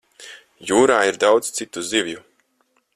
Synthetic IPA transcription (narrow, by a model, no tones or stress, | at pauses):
juːɾaːiɾd̪awd̪zt̪sit̪uzivʲju